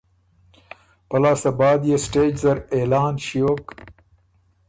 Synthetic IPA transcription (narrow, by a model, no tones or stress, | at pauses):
pɐlaːsɐbaːd̪jesʈeːd͡ʒzɐɾeːlaːnʃijoːk